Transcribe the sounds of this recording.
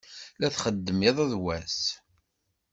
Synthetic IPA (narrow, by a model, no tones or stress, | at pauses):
læθχəd̪ːəmɪðˤæðwæs